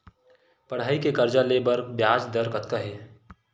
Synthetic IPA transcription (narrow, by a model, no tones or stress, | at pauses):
pɐɽ̤aːikekɐɾd͡ʒaleːbəɾbjaːd͡ʒd̪əɾkɐt̪kaɦeː